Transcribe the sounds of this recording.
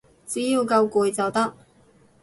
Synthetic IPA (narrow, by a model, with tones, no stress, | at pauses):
t͡siː˨˥jiː˧wkɐ˧wkuː˨jt͡sɐ˨wt̪ɐ˥k̚